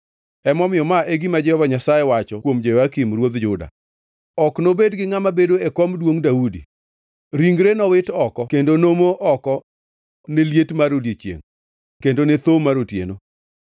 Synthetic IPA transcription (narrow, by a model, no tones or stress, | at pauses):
ɛmɔmɪjɔmaʔeɡimad͡ʒɛhɔvaɲasajewat͡ʃɔkwomd͡ʒeakimrwod̪d͡ʒʊda̰ | ɔknobedɡɪŋamabedoekɔmdwoŋdaudḭ | ɾiŋɡɾenɔwɪtɔkɔkendonomoʔɔkɔ | neljetmaɾoljet͡ʃjḛŋ | kendonet̪omaɾotjḛno